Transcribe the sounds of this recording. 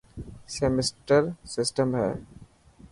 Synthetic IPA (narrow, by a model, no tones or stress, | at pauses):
semɪsʈəɾsɪsʈəmɦɛ̰ː